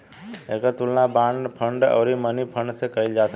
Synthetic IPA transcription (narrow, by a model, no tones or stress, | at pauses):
ekəɾt̪ulnabãɳɖpʰəɳɖə̰ːɾimənipʰə̃ɳɖsekəild͡ʒasə